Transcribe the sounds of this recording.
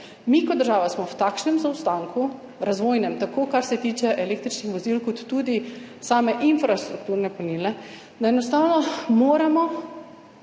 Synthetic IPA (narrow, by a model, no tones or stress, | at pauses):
miːkɔd̪d̪ːəɾʒaːʋasmɔwt̪aːkʃnɛmzawst̪aŋku | ɾazʋoːjnɛmt̪akoːkaɾsɛt̪iːt͡ʃɛʔɛleːk̚t̪ɾit͡ʃnixʋɔzilkɔt̪ːuːd̪isaːmɛʔinfɾast̪ɾuk̚t̪uːɾnɛpɔniːlɛ | d̪aɛnɔst̪aːwnɔmoːɾamɔ